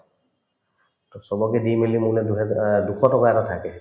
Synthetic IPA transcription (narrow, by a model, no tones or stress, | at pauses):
tɔsɔbɔkɛdimilimunɛduɦɛduxɔtɔkaɛtɔtʰakɛ